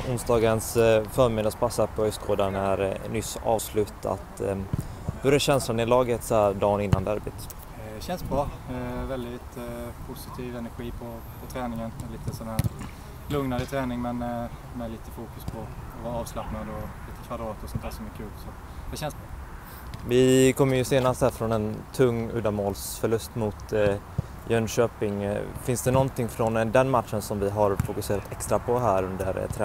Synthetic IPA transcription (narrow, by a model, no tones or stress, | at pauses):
ʊnsd̪ɑːɡənsfœːɾmɪd̪əspʰasːapʰɔœjskʰoːd̪anæɾnʏsɑ̰ːvslʉ̟ːt̪ʰa̰t̪ | b̥ɵɾjaɕɛnslʊnɛlɑːɡət̪shæd̪ɑːnɪnːand̪æɾbɪ̰t̪ | ɛɕɛnsbɾɑːvɛld̪ɪt̪pʰʊsɪt̪ʰiːvɛnæɾɧiːpʰɔ | pʰɔt̪ʰɾɛːnɪŋənɛliːt̪əsɔnhæːɾ | lɵŋnaɾət̪ʰɾɛːnɪŋmɛn | mɛliːt̪əfuːkɵspʰɔ | vɑːɾɑːvslapnad̪ɔliːt̪əkʰvad̪ɾɑːt̪ɔsɔnt̪ʰæːɾʂɔmɛɾkʰʉ̟ːlsɔt | d̪ɛɕɛnsb | vɪkʰɔmːəɾjɵseːnast̪hæːɾfɾɔnɛnt̪ʰɵŋːʉ̰ːd̪amoːlsfœɭɵst̪mʊt̪ | jœnɕøːpɪŋfɪnsd̪ɛnɔnt̪ɪŋːfɾɔnd̪ɛnmat̪ʂənsɔmvɪɦaɾfʊkɵseːɾat̪ʰɛkst̪ɾapʰɔɦæːɾɵnd̪ə̰ɾt̪ʰɾɛ